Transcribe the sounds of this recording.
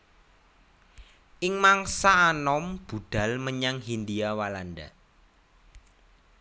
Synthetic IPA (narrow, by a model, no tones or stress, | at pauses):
ʔɪŋmaŋsaːnɔmb̥ṳd̪̥a̤lməɲaŋɦind̪iawalanɖ̪a̰